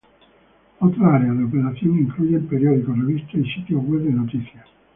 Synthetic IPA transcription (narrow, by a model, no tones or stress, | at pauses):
at̪ːɾaɾealeopeɾat̪sːjoːniiŋkluːd̪elpeɾjɔd̪ikorevist̪eisit̪iowɛbd̪enot̪it̪sja